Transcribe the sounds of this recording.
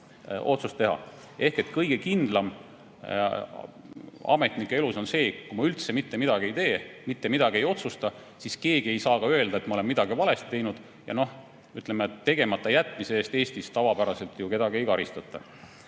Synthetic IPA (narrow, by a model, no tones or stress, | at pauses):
ʔo̞̰t̪sust̪ːe̞ɦɑ̰ | e̞hke̞t̪kɤjɡ̥e̞kind̪̥lɑm | ɑ̰me̞t̪nikːˑe̞e̞luso̞nse̞ːkumɑylt̪se̞mit̪ːemid̪ɑɡie̞jt̪e̞ːmit̪ːe̞mid̪̥ɑɡie̞jo̞t̪sust̪ɑ | siske̞ːɡie̞jsɑːkɑøeld̪̥ɑe̞t̪mɑo̞le̞mmid̪̥ɑɡivɑle̞st̪ːe̞jnud̪̥ | jɑ̰no̞h | yt̪lemet̪ːe̞ɡe̞mɑt̪ːˑɑjæt̪ːˑmiseeːst̪e̞ːst̪ist̪ɑvɑpæɾɑse̞lt̪juke̞d̪ɑɡiejkɑɾist̪ɑt̪ˑːɑ̰